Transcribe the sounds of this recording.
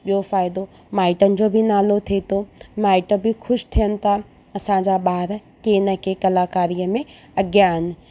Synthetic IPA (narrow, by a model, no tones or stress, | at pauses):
ɓjofaːɪd̪o | maːɪʈənɪ̆d͡ʑobʱinaːlot̪ʰet̪oːmaːɪʈəbʱixʰʊʃt̪ʰijənɪ̆t̪ʰa | ɐsãːd͡ʑaɓaːɾ | keːnəkekɐlaːkaːɾijəmẽ | ɐɡjaɦɪnɪ̆